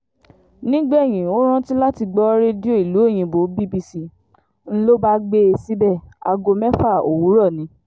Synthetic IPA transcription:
nĩ˦ɡ͡bɛ˦e˨j̃ĩ˨o˦ɾ̃ã˦ti˦la˦ti˧ɡ͡bɔ˦ɾe˦di˦o˦˨i˨lu˨˦e˦˨j̃ĩ˧bo˨˦bi˦bi˦˨si˧˨ | n̩˦lo˦ba˦ɡ͡be˦e˧˨si˦bɛ˦˨a˧ɡo˧mɛ˦fa˦˨o˨wu˨˦ɾɔ˦˨nĩ˨˦

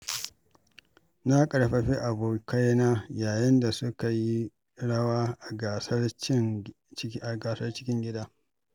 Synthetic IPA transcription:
na˦kʼɐ˨ɽɸɐ˨ɸi˦ʔa˨boː˨ka˦jnaː˦jaː˨jɪ˦nda˨sʊ˦ka˨ji˦ | ɽɐ˦waː˦ʔa˨ɡa˨sɐ˦rt͡ʃɪ˦ŋ˦ | ʔa˨ɡaː˨sɐ˦rt͡ʃɪ̥˦kʲɪ˦ŋɡʲɪ˦daː˦

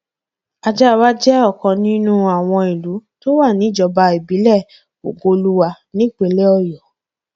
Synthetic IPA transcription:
a˧d͡ʒa˦˧wa˦d͡ʒɛ˦ɔ˦˨kɔ̃˨˧nĩ˦nũ˦a˨w̃ɔ̃˧i˨lu˨˦to˦wa˦˨nĩ˨˦d͡ʒɔ˧ba˧i˨bi˨˦lɛ˦˨ | o̰˨ɡo˧lu˦wa˧ | nĩ˦k͡pe˨˧˦le˦ɔ˧jɔ˨

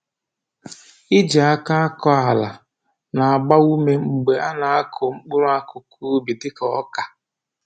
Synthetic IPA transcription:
ɪ˦d͡ʒa˨a˦ka˦a˦kɔ˦a˨la˨ | na˨a˨ɡ͡ba˦u˦me˦ŋ͡m̩˨ɡ͡be˨ʔa˦na˨a˦kʰʊ˨ŋ͡m̩˦k͡pʊ˦ɾʊ˦a˦kʊ˨kʰuː˦bi˨tɪ˦kɔ˦ɔ˦ka˨

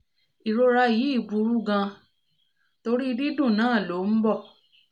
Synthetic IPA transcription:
i˨ɾo˧ɾa˧ji˨˦i˦˨bu˧˦ɾu˦ɡã˧ | to˧ɾi˦˧di˦dũ˦˨nãː˨˦˨lo˨˦m̩˦bɔ˦˨

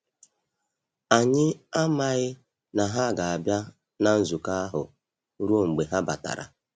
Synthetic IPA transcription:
a˨ɲɪ˦a˦ma˨ɣɪ˦ | na˨ɦa˦˨ɡa˨a˨bja˦ | na˨n̩˦zu˨ka˦a˦ɦʊ˨˦ | ɾu˦o˦˨ŋ͡m̩˨ɡ͡be˨ɦa˦ba̰˨ta̰˨ɾa̰˨

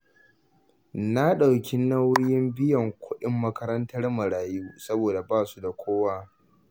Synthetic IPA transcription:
na˦ɗa˨wkʲi˦nɐ˦wɽjɪ˦mbɪ˦jɐ˨ŋkʷʊ˦ɗɪ˦mːɐ˦kɐ˦ɾɐ˦ntɐ˦rmɐ˨ɽaː˨juː˦sɐ˦boː˨da˨baː˦˨su˦da˨kʷʰoː˦waː˦

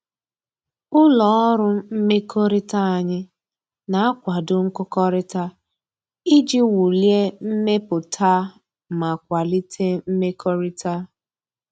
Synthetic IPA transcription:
ʊ˦lɔ˨˦ɔ˦ɾʊ˦m̩˦me˦kʰo˦ɾɪ˦ta˦a˨ɲɪ˦ | na˨a˦kʷa˨dʊ˦ŋ̩˦kʊ˦kɔ˦ɾɪ˦ta˦ | i˦d͡ʒi˦wu˨lje˦m̩˦me˦pʊ˨tʰa˦ | ma˨kʷa˨li˦tʰe˦m̩˦me˦kɔ˦ɾi˦ta˦

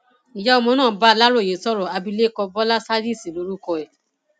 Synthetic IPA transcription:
i˨ja˦o˧mɔ̃˧˦nãː˦˨ba˦˧la˦ɾo˦˨je˨sɔ˦˨ɾɔ˨a˧bi˧le˦kɔ˧bɔ˦la˦sa˦di˦˨si˨lo˨˧˦ɾu˦kɔ˧ɛ˨

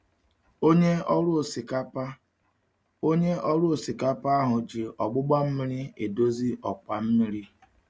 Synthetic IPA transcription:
o˦ɲe˦ɔ˦ɾʊ˦˨si˨ka˦pa˦ | o˦ɲe˦ɔ˦ɾʊ˦o˨si˨ka˦pa˦a˦ɦʊ˨d͡ʒi˨ʔɔ˨ɡ͡bʊ˦ɡ͡ba˦m̩˦mi˦ɾi˦e˨do˦zi˦ʔɔ˨k͡pa˨m̩˦mi˦ɾi˦

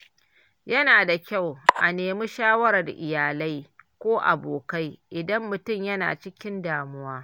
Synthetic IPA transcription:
jɐ˦naː˨da˨kʲa˦˨wʔa˨neː˨mu˦ʃaː˦wɐ˦ɾa˨rʔɪ˨jaː˨la˦jkʷoː˦ʔa̰˨boː˨ka˦jʔɪ˨dɐ˦mːʊ˨tʊ˦˨mjɐ˦na̰ː˨t͡ʃɪ˦kʲɪ˦ndaː˨mʊ˦waː˦

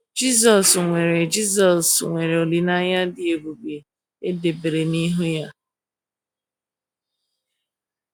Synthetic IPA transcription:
d͡ʒi˦s̬ɔ˨sŋʷe˨ɾe˨d͡ʒi˦s̬ɔ˨sŋʷe˨ɾe˨o˨li˨na˦ɲa˦dɪ˨e˨bu˨ɡ͡be˨ | e˦de˨be˨ɾe˨ni˦ɦʊ˦ja˦

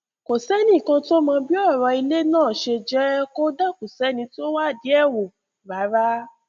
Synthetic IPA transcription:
ko˨sɛ˦nĩ˦˨kã˧to˦mã˧bi˦ɔ˦˨ɾɔ˨˧i˧le˦nãː˦˨ʃe˧d͡ʒɛ˦ko˦da˦˨ko˨sɛ˨˦nĩ˧ti˦o˦wa˦˨di˨˦ɛ˦˨wo˨ | ba˨˦ɾa˦

